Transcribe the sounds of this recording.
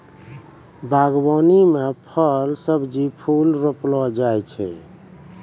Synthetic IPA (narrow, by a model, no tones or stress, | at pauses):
baɡbɔnimepʰəlsəbd͡ʒipʰulɾoplɔd͡ʒajt͡ʃʰɛ̰